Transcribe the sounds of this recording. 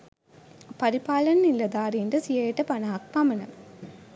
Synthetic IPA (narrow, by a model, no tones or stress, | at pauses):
pɐɾipaːlɐnnilːɐd̪aːɾiːɳɖɐsijɐjɐʈːɐpɐnaːɐk̚pɐmɐnɐ